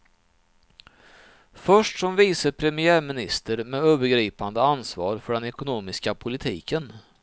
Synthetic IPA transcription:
fœʂʈsɔmviːsəpʰɾɛmɪæːɾmɪnɪst̪əɾmɛːøːvəɾɡɾiːpand̪əansvɑ̰ːɾfœɖɛnɛkʊnuːmɪskapʰʊlɪt̪ʰiːkən

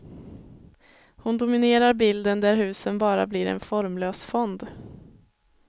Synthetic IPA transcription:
hʊnd̪ʊmɪneːɾaɾbɪld̪ənd̪æɾhʉ̟ːsənbɑːɾa̰bliːɾɛ̰nfɔɾmløːsfɔnd̪

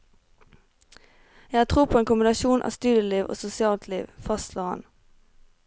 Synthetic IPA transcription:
jæhɑːt̪ʰʁuːpʰoɔeːnkʊmbɪnɑʃuːnʔɑ̰ːst̪ʉːd̪jəliːʋʔo̰ːsʊsɪɑːlt̪ʰlḭːʋfɑst̪ʰlɔːʁɑ̰n

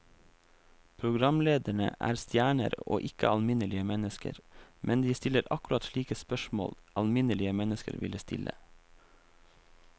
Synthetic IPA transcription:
pʰɾʊɡɾɑmleːd̪əɳə̰ʔæ̰ːɾst̪jæːɳə̰ɾo̰ːʔɪkəɑlmɪnəlɪəmɛnəskə̰ɾmʔɛnd̪iːst̪ɪləɾɑkʉɾɑt̪ʃliːkəspœʃmo̰ːlʔɑlmɪnəlɪəmɛnəskə̰ɾʋɪ̰ləst̪ɪ̰lʔə̰

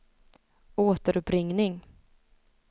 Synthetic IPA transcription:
oːt̪əɾɵpɾɪŋnɪŋ

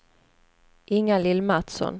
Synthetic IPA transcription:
ʔɪŋːalɪlmat̪sɔ̰n

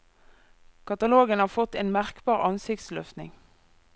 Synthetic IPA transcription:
kʰɑt̪ɑloːɡənhɑːfɔt̪eːnmæʁkbɑːʁɑnsɪkt̪slœft̪nɪ̰ŋ

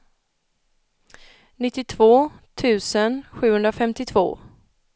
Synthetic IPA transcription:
nɪt̪ːɪt̪ʰvoːt̪ʰʉ̟ːsənɧʉ̟ːhɵnɾafɛmt̪ɪt̪ʰvo̰ː

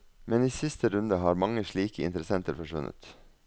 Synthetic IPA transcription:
mɛniːsɪst̪əɾʉnd̪əhɑːɾmɑŋəʃɭiːkəɪ̰nt̪əɾəsɛnt̪əɾfɔʂʋʉnʔə̰t̪

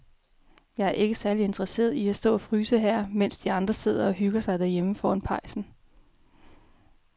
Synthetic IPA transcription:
jɑ̈ɪæɐʔe̝ɡ̥əsæɐlie̝nd̥ʁɐse̝̰ːɐðˠiæsd̥ɔ̰̽ːæfʁyːsəɦæɐ̰men̰sd̥iɑ̈nd̥ʁɐse̝ð̞̰ˠɐɒ̽ɦyɡ̥ɐsɑ̈ɪd̥æɐ̰jeməfɒːnpʰɑ̈ɪ̰sn̩

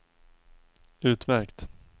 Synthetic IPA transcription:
ʉ̟ːt̪mæɾkt̪

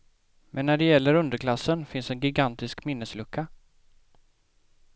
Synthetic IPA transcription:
mʔɛnːæɖɛjɛlːəɾɵnd̪əɾkʰlasːənfɪnsɛnɡɪɡant̪ɪskmɪnːəslɵkʰːa

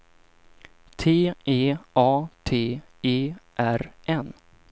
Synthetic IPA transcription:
t̪ʰeːʔeːʔɑːt̪ʰeː | eːʔæɾʔɛn

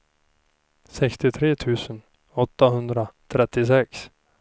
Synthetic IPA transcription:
sɛkst̪ɪt̪ʰɾeːt̪ʰʉ̟ːsən | ɔt̪ːaɦɵnd̪ɾat̪ʰɾɛt̪ːɪs̬ɛks

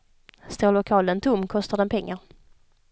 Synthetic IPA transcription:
st̪oːlʊkʰɑːlənt̪ʰʊmːkʰɔst̪aɖ̪ɛnpʰɛŋːaɾ

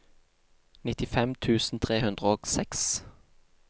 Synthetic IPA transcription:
nɪt̪ɪfɛmt̪ʰʉːsn̩t̪ʰʁeːhʉnd̪ʁəoːksɛks

